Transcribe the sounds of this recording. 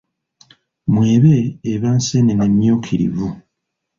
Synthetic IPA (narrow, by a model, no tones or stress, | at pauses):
mwe̞ːβeːβansenenemjoːkʰiɾḭvu